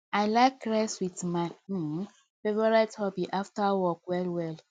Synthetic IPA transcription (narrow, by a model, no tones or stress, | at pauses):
aɪlakːɹɛswitma | fevɔɹathɔbiʔaftawɔkwɛlwɛl